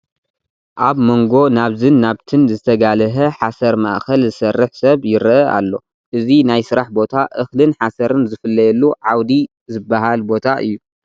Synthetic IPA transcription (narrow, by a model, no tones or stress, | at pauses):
ʔaβmoŋɡo̞naβzɨnːaβt̪ʰɨnzɨt̪ʰɐɡalɐɦɐħasɐɾmɐ̰ʔxɐlzɨsɐrːɨħsɐβjɪɾʔɐa̰lːo̞ | ʔɨzinajsɨɾaħbo̞t̪ʰaʔɨxlɨnħasɐɾɨnzɨfɨlːɐjɛlːuʕawd̪i | zɨbːaɦalbo̞t̪ʰaʔɨ̰jːu